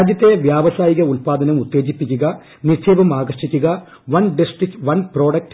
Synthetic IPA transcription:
ad̪jɐt̪ːeʋjaːʋɐsaːjiɣɐulpaːd̪ɐnɐmut̪ːe̞ːd͡ʑipːikʲːuɣɐ | nit͡ʃʰeːbɐmaːɡɐʂikʲːuɣɐ | ʋɐnɖisʈrikʈʋɐnpro̞ːɖɐk̚ʈ

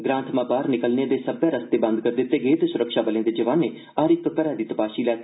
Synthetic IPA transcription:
ɡɾãːnt̪ʰmãːpaːɾnɪkəlnẽːd̪eːsəbjãːɾəst̪eːbə̃nd̪̚kəɾd̪ɪt̪ːeːɡeːt̪ːsʊɾəkʃaːbəlẽːd̪eːd͡ʒəʋaːnːeː | aːɾɪk̚t̪okəɾãːd̪iːt̪əpaːʃiːlɛː

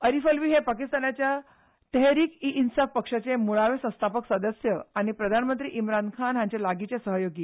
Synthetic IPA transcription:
əɾifəlʋiːɦepakist̪anat͡ɕja | t̪əɦɾiːkiʔinsafpəkʂat͡semuɭaʋesə̃st̪ʰapəksəd̪əsjəaɽ̃ipɾəd̪ʱanmənt̪ɾḭːʔimɾankʰanɦãɲt͡ɕalaɡit͡sesəɦəjoɡiː

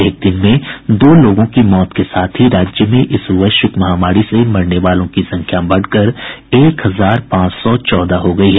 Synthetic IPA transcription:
eːɪk̚t̪inmẽd̪oːloːɡõkimɔːt̪kesaːt̪ʰɦiɾaːd͡ʒjəmẽʔɪsʊʋəʃʊkmɐɦaːmaːɾisemɐɾneʋaːlõkisɐ̃ŋkʰjabɐɽ̤kəɾeːkɦɐzaːɾpãːt͡ʃsɔt͡ʃɔːd̪aɦoɡɐiɦɛː

